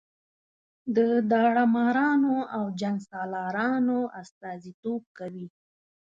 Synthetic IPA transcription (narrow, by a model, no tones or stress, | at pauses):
d̪əd̪ɑɽamɑɾɑnoawd͡ʒaŋɡsɑlɑɾɑnoʔast̪ɑzit̪ob̚kawi